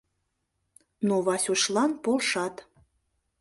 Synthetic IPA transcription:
noβɑsʲuʃlˠɑnpolʃɑt̪

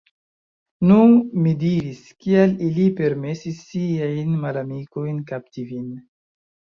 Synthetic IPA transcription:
numidiɾiskialilipe̞ɾme̞sisːiajnmalamikojnkaptivin

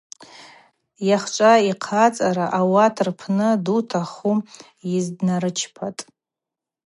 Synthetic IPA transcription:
jaχt͡ʃʷʼaiqʰat͡sʼaɾaʔawatʰrpʰnɨdutʰaχu | jizdnaɾɨt͡ʃʰpʰatʼ

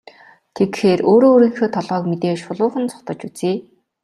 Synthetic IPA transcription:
t̪ʰekxeːroːɾoːɾĭːŋxoːt̪ʰɔɮʁɔːkmet̪eːʃʊɮʊːχə̆nt͡sʰʊ̥t̪ɞ̆t͡ɕut͡seː

